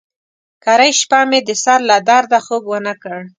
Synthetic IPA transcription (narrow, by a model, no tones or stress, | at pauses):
kaɾajʃpamed̪əsaɾlad̪ɑɾd̪axobwənakəɽ